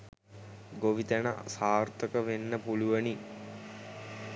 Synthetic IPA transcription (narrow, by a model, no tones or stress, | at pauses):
ɡoʋit̪əna̰saːrt̪əkəʋenːəpuluʋəni